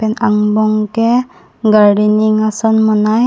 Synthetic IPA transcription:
pɛnaŋbɔŋkɛ | ɡaɹɖiniŋasɔnmɔnaj

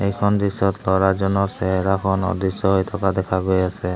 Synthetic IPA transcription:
ejkʰɔnd̪isɔt̪lɔɹazɔnɔɹsɛɦɛɾakʰɔnɔ̰d̪isɔɦojt̪ʰɔkad̪ɛkʰaɡojasɛ

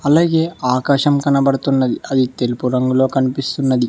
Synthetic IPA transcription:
ɐlaːɡe̞ːʔaːkaːʃɐmkɐnɐbɐɽɐt̪unːɐd̪iɐd̪it̪e̞lupuɾɐŋɡulo̞ːkɐnipist̪unːɐd̪i

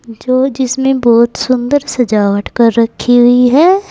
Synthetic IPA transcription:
d͡ʒoːd͡ʒɪsmẽbɔːt̪sʊ̃nd̪əɾsɐd͡ʒaːʋəʈkɐɾːɐkʰːiɦʊiɦɛː

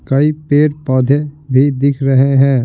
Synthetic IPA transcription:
kɐipeːɾpɔːd̪ʱebʱid̪ɪkʰɾɐɦeɦɛ̃ː

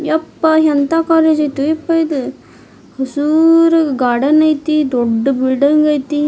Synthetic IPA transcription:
jɐpːɐɦɐnt̪aːkaːleːd͡ʒɐjt̪uipːɐid̪ɨ | hɐsuːɾɡaɽɐnɐjt̪id̪oɖːɨbiɭɖɐŋɡɐjt̪i

